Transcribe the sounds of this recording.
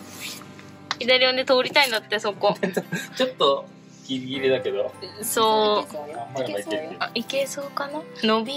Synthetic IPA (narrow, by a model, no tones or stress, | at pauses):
id̪aɾʲiond̪et̪oːɾʲit̪aĩnd̪at̪ːesokot͡ɕot̪ːo | kʲiɡʲiɾʲid̪ake̞d̪osoː | ikesoːkananobʲi